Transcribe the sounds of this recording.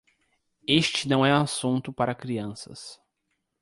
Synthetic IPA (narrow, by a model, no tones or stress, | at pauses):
est͡ʃɪnɐ̃w̃ɛ̃asũnt̪ʊpaɾɐkɾiɐ̃sɐ̰s